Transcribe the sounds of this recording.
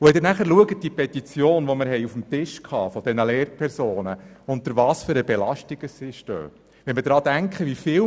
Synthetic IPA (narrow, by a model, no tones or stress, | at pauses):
uhɛdɪɾnæχəɾluəɡət̚d̥iəpʰɛt̪it͡sjoːnʋɔmɪɾɦɛjufm̩tɪʃkʰhɑ̰ːfɔd̥ɛnəleːɾpʰɛɾsoːnəʊnt̪əɾvɑːsføɾəbelɑʃtiɡ̥əsiʃtø̰ː | vʋɛnmədɾɑːd̥æŋkχəʋifɪː